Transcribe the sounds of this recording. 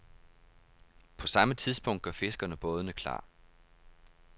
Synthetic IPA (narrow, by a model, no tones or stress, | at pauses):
pʰɒ̽sɑ̈mət͡sʰið̞ˠsb̥ɔ̽ŋ̰d̥ɡ̥ɶɐfe̝sɡ̥ɐnəb̥ɔ̽ːð̞ˠənəkʰlɑ̰̈ː